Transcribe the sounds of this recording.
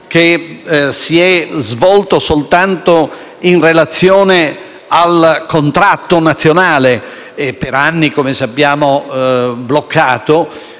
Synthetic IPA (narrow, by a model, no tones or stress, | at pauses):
kesiɛzvɔlt̪osolt̪ant̪o | inrelat̪sːjoːne | alkont̪ɾat̪ːonat̪sːjonaːle | peɾanːikomesapːjaːmo | blokʰːaːt̪o